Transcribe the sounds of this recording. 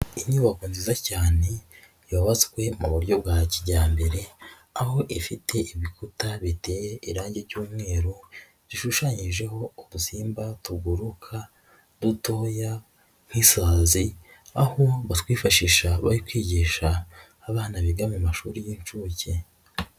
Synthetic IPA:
iɲuβakoːnzizacaːne̞ | joβazkwe̞muβuɾɟo̞bɡaːciɟaːmbe̞ɾe̞ | aho̞ʔifitʰe̞ʔiβikutaβite̞ːjeʔiɾaːɲɟe̞ɾɟuːmŋe̞ːɾo | ziʃuʃaːɲiʒe̞ho̞ːdusiːmbatuɡuɾukʰa | duto̞ːja | ŋ̥hisaːzi | aho̞βatwiːfaʃiʃaβa̰ɾikwiːɟiːʃaː | βaːnaβiɡamemaʃuɾijint͡ʃuce

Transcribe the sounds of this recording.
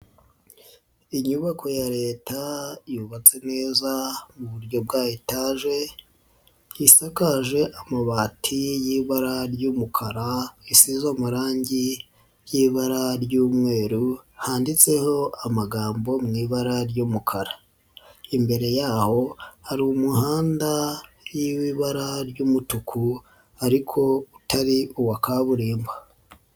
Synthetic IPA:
iɲuβakʰo̞jaɾe̞ːtajuβat͡se̞ne̞ːzamuβuɾɟo̞b̚ɡaːjitaːʒe̞ | jisakaʒe̞ʔamaβaːtʰijiβaɾaɾjumukʰaɾaisizomuɾaːɲɟi | jiːβaɾaɾɟuːmŋe̞ːɾuhaːndit͡se̞ho̞amaɡaːmbo̞mŋiːβaɾaɾɟuːmukʰaɾa | imbe̞ɾe̞jaːho̞haɾiumuhaːnda | jiwiβaɾaɾɟuːmutukʰu | aɾikʰo̞utaɾiuwakaβuɾiːmba

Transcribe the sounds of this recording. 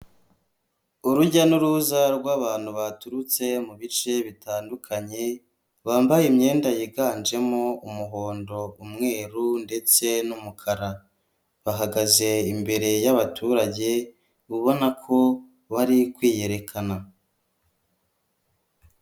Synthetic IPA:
uɾuɟanuɾuzaɾɡwaːβaːn̥huβatuɾut͡se̞muβit͡ʃe̞βitaːndukʰaɲe̞ | βaːmbajimɲe̞ːndajiɡaːnd͡ʒe̞moumuɦo̞ːndo̞umŋe̞ːɾunde̞t͡se̞numukʰaɾa | βaɦaɡaze̞imbe̞ɾe̞jaβatʰuːɾaɟe̞ | βuβo̞nakʰo̞ | βaɾikwiːje̞ɾe̞kʰana

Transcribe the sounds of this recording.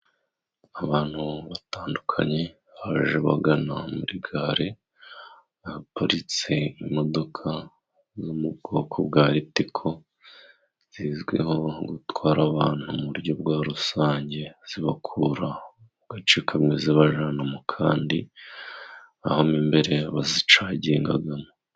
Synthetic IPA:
aβaːn̥huβataːndukʰa̰ɲe̞ | βaʒeβa̰ɡana̰muɾiɡaɾe̞ | apoɾit͡seimo̞do̞kʰa | zumubɡo̞ːkʰobɡaːɾitikʰo̞ | z̥iːzɡwe̞̰ho̞ɡutwaːɾaβaːn̥humuɾɟo̞bɡwaːɾusaːɲɟe̞z̥iβakʰuːɾa | ɡ̥at͡ʃikʰamŋeziβaʒaːnamokʰaːndi | a̰homimbe̞ɾe̞βazit͡ʃaɟeːŋɡa̰ɡamo

